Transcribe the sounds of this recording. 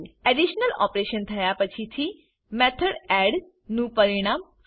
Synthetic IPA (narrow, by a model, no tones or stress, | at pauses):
ɛɖiʃnəlɔ̰ːpɾeʃənt̪ʰɐjapət͡ʃʰit̪ʰi | mɛt̪ʰəɽɛɖ | nũpəɾiɽ̃aːm